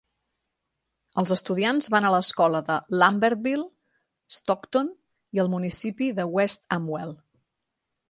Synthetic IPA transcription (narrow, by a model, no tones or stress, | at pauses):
əlˠzəst̪uðianzβanələskɔləðəlambɛɾt̪̚bilˠ | əst̪ɔkt̪on | iəlˠmunisipiðəwɛst̪əmwɛlˠ